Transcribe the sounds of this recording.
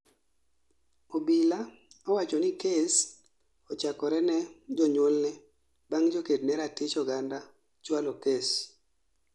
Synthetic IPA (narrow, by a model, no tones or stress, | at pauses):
obila | ɔwat͡ʃɔnɪkes | ɔt͡ʃakɔɾɛnɛd͡ʒɔɲwolnɛ | baŋd͡ʒokednɛɾatɪt͡ʃɔɡanda | t͡ʃwalɔkes